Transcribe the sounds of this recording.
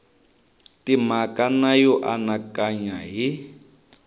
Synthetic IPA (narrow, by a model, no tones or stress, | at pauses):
timakanajɔʔanakaɲaɦi